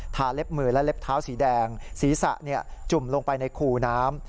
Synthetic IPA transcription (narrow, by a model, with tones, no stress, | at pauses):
t̪ʰaː˩˦le˦˥p̚mɯː˧˩lɛ˦˥le˦˥p̚t̪ʰaː˦˥wsiː˩˦dɛː˧ŋsiː˩˦sa̰˨˩ʔni˥˩ɐt͡ɕu˨˩mlo˧ŋpa˧jna˧jkʰuː˧˩naː˦˥m